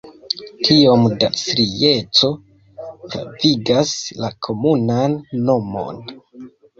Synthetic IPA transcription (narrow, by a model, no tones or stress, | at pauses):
tʰio̞mda̰sɾije̞t͡so̞ | pɾa̰viɡaslakʰo̞munanːo̞mo̞̰n